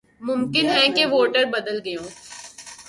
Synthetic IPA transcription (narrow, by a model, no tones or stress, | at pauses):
mʊmkɪnɦɛ̃keʋoːʈəɾbɐd̪əlɡɐjõː